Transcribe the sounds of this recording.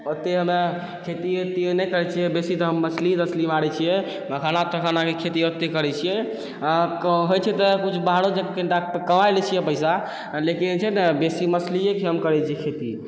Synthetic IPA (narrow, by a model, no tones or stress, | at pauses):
ot̪ːeɦəme | kʰet̪iot̪ːionɛjkəɾɛt͡ʃʰijɛbesit̪ɔɦəmːəslit̪əslimaɽɛt͡ʃʰijɛ | məkʰanat̪ɾəkʰanakekʰet̪iot̪ːekəɾɛt͡ʃʰijɛ | ɦojt͡ʃʰɛt̪ɔkut͡ʃʰbaɦaɽod͡ʒekkeɳʈakəmajlɛt͡ʃʰijɛpəɪsa | lekint͡ʃʰɛnbesiməsliekiɦəmkəɾɛt͡ʃʰijɛkʰet̪i